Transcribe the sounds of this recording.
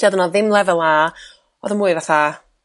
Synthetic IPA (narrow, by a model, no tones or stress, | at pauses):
adənaðɪmlˠɛvɛlˠa | ɔðəmuːɨvaθa